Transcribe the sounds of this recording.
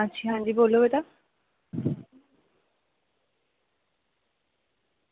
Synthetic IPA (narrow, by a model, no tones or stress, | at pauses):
at͡ɕʰiɦãnd͡ʑibolːobet̪a